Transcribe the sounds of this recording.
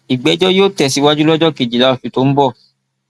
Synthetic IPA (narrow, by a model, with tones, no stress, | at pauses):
i˨ɡ͡bɛ˨˦d͡ʒɔ˦joː˦tɛ˨si˨˦wa˦d͡ʒu˦lɔ˦d͡ʒɔ˦ki˨d͡ʒi˨la˨˦ɔ˨su˨to˧˦m̩˦bɔ˦˨